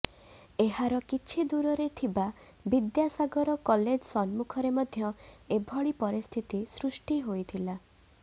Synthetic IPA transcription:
eɦaɾɔkit͡ʃʰid̪uɾɔɾet̪ʰiba | bid̪jasaɡɔɾɔkɔled͡ʒsɔnmukʰɔɾemɔd̪ʱjɔebʱɔɭipɔɾist̪ʰit̪isɾusʈiɦojt̪ʰila

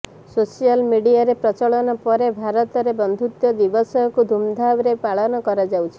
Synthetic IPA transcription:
sosijalmiɽiaɾepɾɔt͡ʃɔɭɔnɔpɔɾebʱaɾɔt̪ɔɾebɔnd̪ʱut̪jɔd̪ibɔsɔkud̪ʱumd̪ʱabɾepaɭɔnɔkɔɾad͡ʒawt͡ʃʰi̥

